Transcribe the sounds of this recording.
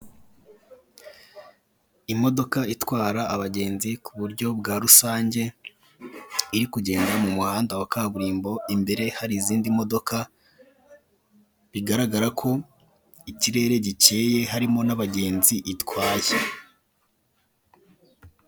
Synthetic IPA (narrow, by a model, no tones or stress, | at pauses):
imo̞do̞kaitwaːɾaːβaɟe̞ːnzikuβuɾɟo̞bɡaːɾusaːɲɟe̞ | iɾikuɟe̞ːndamumuhaːndawakaβuɾiːmbo̞imbe̞ɾe̞haɾiːziːndimo̞do̞kʰa | βiɡaɾaɡaɾakʰo̞ | iciɾe̞ːɾe̞ɟit͡ʃe̞ːje̞ɦaɾimo̞naβaɟe̞ːnziʔitwaːje